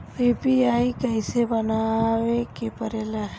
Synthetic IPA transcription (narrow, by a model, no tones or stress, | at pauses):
eːpiaːikɐisebɐnawekepəɾeːlaɦ